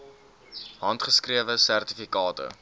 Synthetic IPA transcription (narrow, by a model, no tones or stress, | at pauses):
ɦɐntχəskriəvəsærtifikɑːtə̰